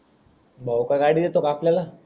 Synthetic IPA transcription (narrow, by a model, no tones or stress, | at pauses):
bʱaukaɡaːɽid̪et̪okaːplela